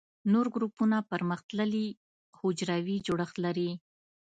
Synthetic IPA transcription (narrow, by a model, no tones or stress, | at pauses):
noɾɡɾupunapəɾməxt̪ləli | hʊd͡ʒɾawid͡ʒoɽəxt̪laɾi